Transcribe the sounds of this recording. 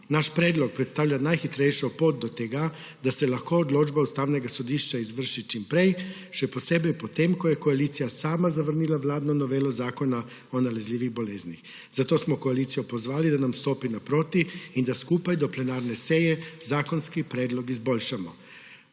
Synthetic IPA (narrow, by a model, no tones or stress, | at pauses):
naʃpɾeːd̪lɔk̚pɾɛt̪st̪aːwʎʲanajxit̪ɾɛjʃɔpoːt̪̚d̪ɔt̪ɛɡa | d̪asɛlaxkoːd̪loːd͡ʒbaust̪aːwnɛɡasɔd̪iːʃt͡ʃaizʋəɾʃit͡ʃimpɾej | ʃɛpɔseːbɛjpɔt̪eːmkɔjɛkoaliːt̪sijasaːmazaʋəɾniːlaʋlaːd̪nɔnɔʋeːlɔzaːkɔna | ɔnalɛzlʲiːʋiɣboleːznix | z̥at̪oːsmɔkoalit̪sijɔpɔzʋaːlid̪anamst̪oːpinapɾoːt̪iind̪askuːpajd̪ɔplɛnaːɾnɛsejɛzaːkɔnskipɾeːd̪lɔkizboːlʃamɔ